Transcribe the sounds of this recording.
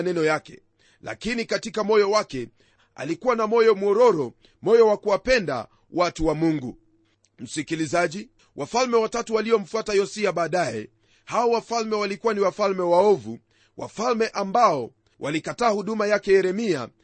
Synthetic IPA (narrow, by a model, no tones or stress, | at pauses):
nɛnɔjakɛ̰ | la̰kinikatikamɔjɔwakɛ | a̰likuwanamɔjɔmuɔɾɔɾɔ | mɔjɔwakuwapɛnda̰ | watuwamuŋɡu | m̩sikilizaʄi | wʔafalmɛwatatuwaliɔm̩fuatajɔsiaɓaːɗajɛ̰ | haɔwafalmɛwalikuwaniwafalmɛwaɔvṵ | wʔa̰falmɛʔambaɔ | wʔalikataːhuɗumajakɛjɛɾɛmia̰